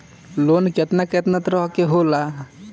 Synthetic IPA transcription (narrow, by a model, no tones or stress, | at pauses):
lonkɛt̪nakɛt̪nat̪ɾɔɦkeɦola